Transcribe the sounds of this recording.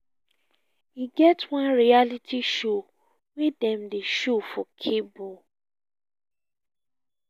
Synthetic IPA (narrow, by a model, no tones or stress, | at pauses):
iɡɛtwãnɹialitʰiʃo | wedɛ̃mdeʃofɔkʰebo